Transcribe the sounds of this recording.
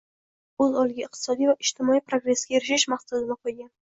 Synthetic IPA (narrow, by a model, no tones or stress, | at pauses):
ɵzɒlˠɡʲaɪq̚t̪ʰɪ̥sɒd̪ijvaʔɪʃt̪ʰɪmɒijpɾoɡɾe̞sɡʲaeɾɪʃɪʃmaχsʊzɪnɪqʰojɡʲan